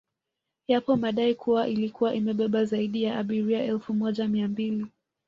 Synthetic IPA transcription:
japɔmaɗaikʰuwaʔilikuwaʔimɛɓɛɓazaiɗijaaɓiɾiaʔɛlfumɔʄamiambili

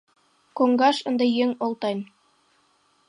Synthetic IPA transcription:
koŋɡɑʃɤ̆nd̪ɑjeŋolˠt̪ɑjn

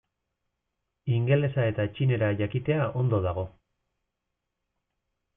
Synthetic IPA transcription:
iŋɡe̞le̞sae̞t̪at͡ʃine̞ɾaʝakit̪e̞aʔo̞nd̪o̞ð̞aɣ̞o̞

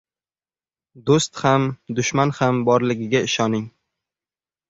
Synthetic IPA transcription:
d̪ost̪hamd̪ʊʃmanhambɒɾlɪɡʲɪɡʲaɪʃɒnɪŋ

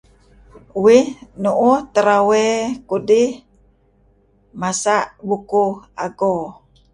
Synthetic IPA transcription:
uwinuʔut̪əɾawekudi | masaʔbukuaɡo

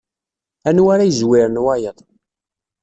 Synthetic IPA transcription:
ænwaɾajzwiɾənwajəðˤ

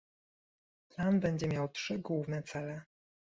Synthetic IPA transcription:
planbɛɲd͡ʑɛmʲjawtʂɘɡwuvnɛt̪sɛlɛ

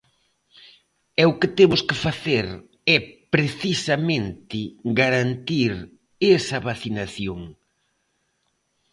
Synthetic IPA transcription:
ɛʊkɪt̪emʊskɪfaθeɾ | ɛpɾeθisɐmẽnt̪ɪɡaɾant̪iɾ | esɐβaθinaθjoŋ

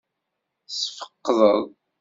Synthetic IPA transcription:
sfə̥qːðˤəðˤ

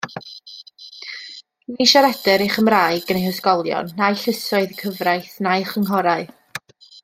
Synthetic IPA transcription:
niʃaɾɛdɛɾejχəmraːɨɡənejhəskɔlˠjɔ̰nːajɬɪsɔɨðkʰəvrajθnajχəŋɦɔɾaɨ

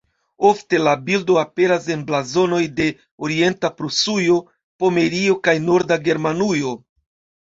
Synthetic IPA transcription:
o̞fte̞labildo̞ape̞ɾase̞nblazo̞no̞jde̞ | oɾie̞ntapɾusujo̞ | po̞me̞ɾio̞kajno̞ɾdaɡe̞ɾmanujo̞

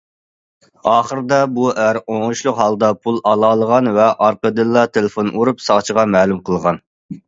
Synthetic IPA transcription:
ɑːχəɾd̪ɑbuʔæɾoŋuʃlˠʊqɦɑlˠd̪ɑpʰulˠɑlˠɑːlˠəʁɑnvɛʔɑɾqəd̪ɨlˠːɑt̪ʰelɪfonʔuɾupsɑʁt͡ʃʰəʁɑmɛːlˠumqʰəlˠʁɑn

